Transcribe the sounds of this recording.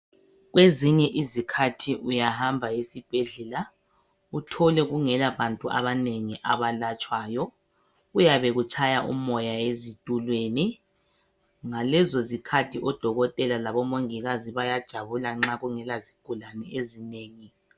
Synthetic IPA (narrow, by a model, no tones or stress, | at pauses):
ɣweziɲɛʔizikʰatʰiʔujahambʱajesib̥ʱeɮɛla | utʰɔlɛɣuŋɛlaβantʼuʔa̰βaneŋiʔaβalat͡ʃʼwaːjɔ | ɣujaβɛɣut͡ʃʰʼajaʔṵmɔjaezitʼulweni | ŋalɛzozikʰatʰiʔɔd̥ʱɔɣɔtʼɛlalaβɔmoŋiɣaziβajad̥ʒ̥ʱaβulaŋ͡ǁaɣuŋɛlaziɡ̥ʱulanɛezineːŋi